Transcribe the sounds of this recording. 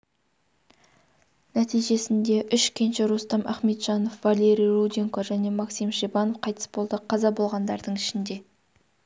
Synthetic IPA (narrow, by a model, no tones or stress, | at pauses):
næt̪ijʒe̞sɪnd̪e̞ʔʏʃkʲʰenʃɪɾust̪ɑmʔæ̰χme̞t̪ʒ̥ɑno̞fvalʲe̞ɾʲijrud̪ʲiŋkoʒæne̞maksimʃebɑno̞fqʰɑjt̪ə̥sbolˠd̪əqʰɑzɑbo̞lˠʁɑnd̪ɑɾd̪əɴɪʃɪnd̪e̞